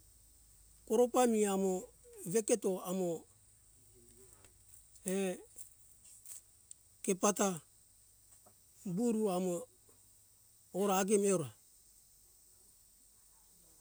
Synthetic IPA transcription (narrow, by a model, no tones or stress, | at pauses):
koɾopamiamoβeketo̞amo | e | kepata | buɾuamo | ɾaːɡemeuɾa